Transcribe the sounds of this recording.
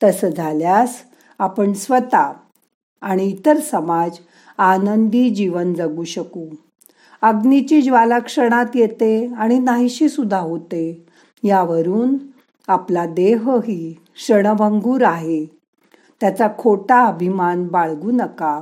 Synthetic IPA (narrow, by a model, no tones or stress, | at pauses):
t̪əsəd͡zʱaljas | apəɳsʋət̪aː | ɽ̃iːt̪əɾsəmad͡z | anənd̪iːd͡ʑiʋənd͡zəɡuːɕəkuː | əɡnit͡ɕiːd͡ʑʋaləkʂəɽ̃at̪jet̪eaɽ̃inaɦiɕiːsud̪ʱːaɦot̪e | jaʋəɾuːn | aplad̪eɦɦiː | ʂəɽ̃əbəŋɡuːɾaɦe | t̪jat͡sakʰoʈaəbʱimanbaɭɡuːnəka